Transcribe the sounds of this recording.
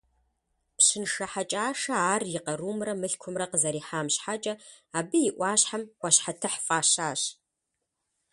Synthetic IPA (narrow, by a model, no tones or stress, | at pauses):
pɕɨnʂɐħat͡ʃʼaːʂɐaːrjɪqɐɾuːmrɐmɨɬkʷʰʊmrɐqəzɐɾiːħaːmɕħat͡ʃʼɐ | aːbɨjɪʔʷɑːɕħamwʷɑɕħatʰɨħfʼaːɕaːɕ